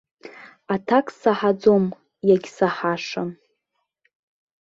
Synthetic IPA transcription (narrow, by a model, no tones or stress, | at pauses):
atʰakʰʼsaħad͡zom | jaɡʲsaħaʂam